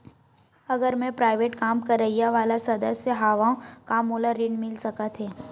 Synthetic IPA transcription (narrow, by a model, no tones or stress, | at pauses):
ɐɡəɾmẽpɾaːɪʋeːʈkaːmkɐɾːɐɦijaʋaːlasɐd̪əsːəɦaːʋãkaːmoːlaɾiɖmɪlsɐkat̪ʰɦɛː